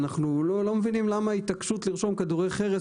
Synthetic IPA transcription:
naχnulolo̞mevinimlamait̪akʃut̪liʁʃo̞mkaduʁejχeʁe

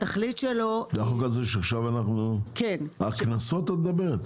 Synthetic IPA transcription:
t̪aχlitʃelod̪aχokazeʃeaχʃavanaχnukenaknasot̪ːat̪̚d̪abeʁet̪

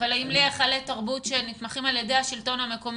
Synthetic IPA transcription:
alaimliaχaletaʁbutʃenit̪maχimaljedejhaʃilto̞nhame̞ko̞m

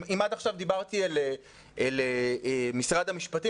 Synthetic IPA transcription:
imad̪aχʃavd̪ibaʁt̪iale | ʔeleemisʁadhamiʃpat̪i

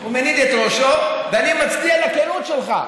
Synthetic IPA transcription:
umenid̪et̪ʁoʃoveanimat͡sbialakelut̪ʃelχa̰

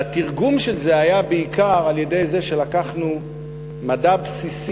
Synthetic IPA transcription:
atiʁɡumʃe̞lze̞ajabeikaʁalje̞de̞jze̞ʃe̞lakaχnu | madabsis

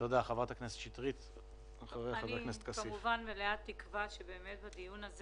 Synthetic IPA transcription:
jod̪eaχavʁat̪akneset̪ʃit̪ʁit̪ | aχaʁejaavaknest̪kaskimuvanveleat̪ːikvaʃebe̞ːmet̪̚badijunaz

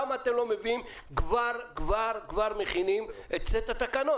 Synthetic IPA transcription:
mat̪emlo̞mevim | kvaʁkvaʁkvaʁmeχinimet̚t͡set̪at̪akano

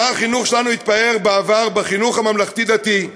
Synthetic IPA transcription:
aaχinuχʃelanuit̪̚bae̞ʁbeavaʁbeχinuχamamlaχt̪id̪at̪i

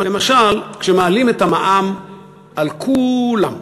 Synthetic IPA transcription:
lemaʃalkʃemaalimetamaʔam | ʔalkʰulam

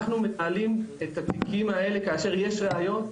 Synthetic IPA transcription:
χnumenaːlime̞t̪atikʰimae̞le̞kaːʃe̞ʁje̞ʃʁeajo̞n

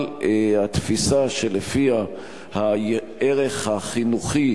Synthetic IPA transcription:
lhat̪fisaʃe̞lefia | ha | eʁe̞χhaχinuχi

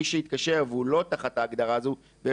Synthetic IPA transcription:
iʃeit̪kaʃe̞ʁveulo̞t̪aχat̪aːɡd̪aʁazu | be

